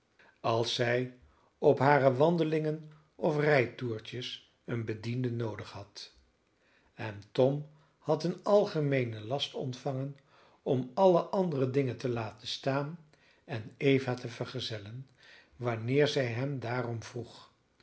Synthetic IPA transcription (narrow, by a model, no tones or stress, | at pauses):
ɑlˠsɛj | ɔpɦaːrəʋɑndəlɪŋən | ɔfrɛjtuːɹtəs | ənbədindənowdəχɦɑt | ɛntɔm | hɑtənɑlˠχəmejnəlɑstɔ̰ntfɑŋən | ɔmɑləʔɑndərədɪŋəntəlaːtənstaːn | ɛnejvaːtəvəɹχəzɛlən | ʋɑnɪːɹzɛjɦɛmdaːrɔmv̥ruχ